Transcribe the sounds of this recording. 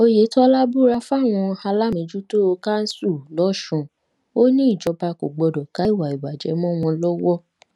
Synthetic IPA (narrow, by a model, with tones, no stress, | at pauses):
o˧je˨˦tɔ˦la˦bu˦ɾa˧fw̃ɔ̃˧ha˧la˦mĩ˨˦d͡ʒu˦to˦o˧ka˦n̩˦su˦˨lɔ˨˦ʃũ˨ | o˦nĩ˦i˦˨d͡ʒɔ˨˧ba˧ko˨ɡ͡bɔ˧dɔ˨ka˨˦i˦˨wa˨i˨wa˨d͡ʒɛ˨˦mɔ̃˦w̃ɔ̃˧lɔ˦wɔ˦